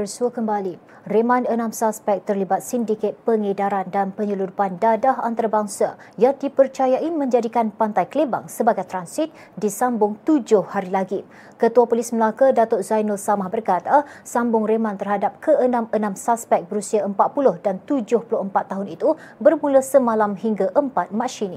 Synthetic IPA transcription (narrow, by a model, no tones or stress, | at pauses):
ərsuəkəmbali | remãnənãmsaspɛk̚t̪ərlibat̪̚sindikɛt̪̚pəŋedaɾandanpəɲəludupandadaɦa̰nt̪aɾabaŋsajadipərt͡ʃajaʔimə̃ɲd͡ʒadikanpant̪ajkəleba̰ŋsəbaɡajt̪ɾansit̪̚ | disambʊŋt̪ud͡ʒʊhhaɾilaɡi | kət̪uapolisməlakadat̪ot̪̚zajnəlsamahbərkat̪asambʊŋremãnt̪ərɦadap̚kʰəənãmənãmsaspɛk̚bəɾusiaəmpat̪̚pulʊhdant̪ud͡ʒʊhpulʊhəmpat̪ːaɦʊnit̪ubərmũləsəmãlamhiŋɡaʔəmpat̪̚mãʃini